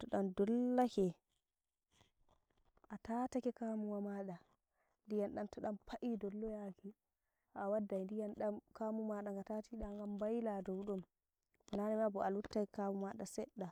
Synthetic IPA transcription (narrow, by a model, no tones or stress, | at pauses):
tɔɗandɔlːakɛ | ʔatatakɛkamuwamaɗa | ndijanɗantɔɗampʰaʔidɔlːɔjaki | ʔawadːajndijanɗamkamumaɗaŋɡatatiɗaŋɡambajladɔwɗɔm | wananɛmabɔalutːakɛkamumaɗasɛɗːa